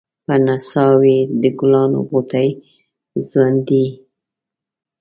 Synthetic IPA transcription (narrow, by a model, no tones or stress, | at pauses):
pənasɑwed̪əɡʊlɑno̰ɣot̪aj | zwand̪i